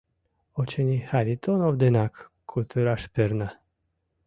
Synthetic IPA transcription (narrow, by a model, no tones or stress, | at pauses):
ot͡ʃenʲihaɾʲit̪onovd̪enakkʰːut̪ʰuɾaʃpeɾna